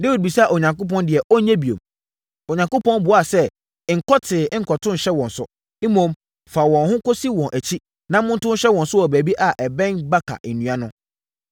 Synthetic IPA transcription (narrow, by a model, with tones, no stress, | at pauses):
de˦wi˨d̚bi˨sa˦˨ʔo˨ɲã˨ŋkʊ˦p̬ɔ̃˦ndɪ˨ɛ˨ʔɔ˦ɲɛ̃˦bi˨o̰˨m | o˨ɲã˨ŋko˦pɔ̃˦nbʊ˨a˦˨sɛ˦˨ | ŋ̩˨kʰɔ˦tʰɪː˨˦ŋ̩˨˦kʰɔ˨tʰʊ̃˦n̩˨ɕɛ˦wɔ̃˨n˨sʊ̰˦ | i˦mõ˨m | fa˨wɔ̃˨nhʊ̃˦ko˦si˦wɔ̃˨nʔæ˨t͡ɕʰi˦ | nã˦mʊ̃˦n˦tʊ̃˦n˦ɕɛ˦wɔ̃˨nsʊ˦wɔ˨bæ˨bi˦ʔa˨ʔɛ˨bɛ̃˦nba˦kʰa̰˨ʔnũ˨ã˦nʊ̃˦